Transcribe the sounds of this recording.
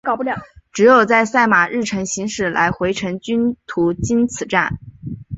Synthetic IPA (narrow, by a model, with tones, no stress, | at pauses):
kɑ˨˩pu˥˩ljɑ˨˩˦ʈ͡ʂɻ̩˧˥jo˨˩ʊt͡sa˥˧ɪsa˥˩ɪma˨˩ɻɻ̩˥˩ʈ͡ʂʰɤ˧˥ŋɕi˧˥ŋʂɻ̩˥˩lʔa̰˧˥ɪxwe˧˥ɪʈ͡ʂʰɤ˧˥ŋt͡ɕy˥nt̪ʰu˧˥t͡ɕi˥nt͡sʰɹ̩˨˩ʈ͡ʂa̰˥˩n